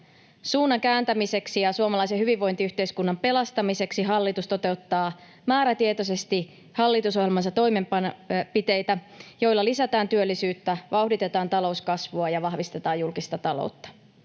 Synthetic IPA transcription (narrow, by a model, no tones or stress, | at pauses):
suːnːɑŋkæːnt̪æmise̞ksijɑsuomɑlɑiseɦyʋiʋːo̞jnt̪iyht̪e̞iskunːɑmpe̞lɑst̪ɑmise̞ksiɦɑlːit̪ust̪o̞t̪e̞ut̪ːɑː | mæːɾæt̪iet̪o̞s̬e̞st̪i | hɑlːit̪uso̞ɦjelmɑns̬ɑt̪o̞jmempɑnpit̪e̞jt̪æ | jo̞jlːɑlisæt̪æːnt̪yølːisyːt̪ːæʋʔɑuhdit̪e̞t̪ɑːnt̪ɑlo̞uskɑsʋuɑjɑʋɑhʋist̪et̪ɑːjjulkist̪ɑt̪ɑlo̰ut̪ːɑ̥